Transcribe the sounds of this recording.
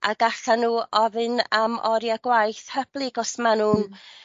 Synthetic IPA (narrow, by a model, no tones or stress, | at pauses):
ʔaɡaɬanuːɔðɨnamɔɾjaɡ̥wajθhəb̥lˠiɡɔsmanuːn